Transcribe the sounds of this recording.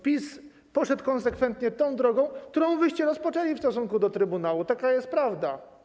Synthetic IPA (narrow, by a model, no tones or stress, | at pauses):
pʲis | pɔʂɛt̪kɔnsɛkfɛnt̪ɲɛt̪ɔ̃w̃d̪ɾɔɡɔ̃w̃k̚t̪uɾɔ̃w̃vɘɕt͡ɕɛɾɔspɔt͡ʂɛlʲifst̪ɔsuŋkud̪ɔt̪ɾɘbunawut̪akajɛst̪̚pɾavd̪a